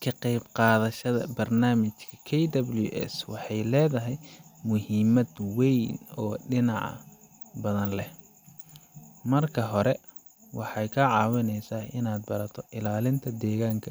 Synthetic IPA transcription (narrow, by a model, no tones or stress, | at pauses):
kʰɐqɑjbqɑːðɐʃɐðɐ̰bɐrnaːmɪt͡ʃkʰɐ̥kʰɛjd̪ɐbljṵʔɛ̰swɑħɑjlɛːðɐɦɛjmʊɦɪmɐd̪wɛjnɔːɖɪnɑʕɐ̰ | bɐðɐnlɛh | mɐrkʰɐɦɔɾɛ | wɑħɑjkʰɐʕɑːwɪnɛjsaːɪnaːd̪̚bɐɾɐt̪ʰɔʔɪlaːlɪnt̪ʰɐd̪ɛːɣaːŋkʰɐ